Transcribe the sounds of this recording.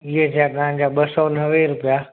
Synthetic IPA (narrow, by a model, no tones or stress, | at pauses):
iɦet̪ʰat̪ɐɦãɲ̆d͡ʑaːɓɐsɔnɐʋeɾʊpija